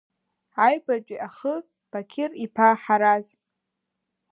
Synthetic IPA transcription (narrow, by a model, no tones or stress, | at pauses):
aɥbad͡ʒʷʼiʔaχə | b̥akʲʰɪripʰaħaɾaz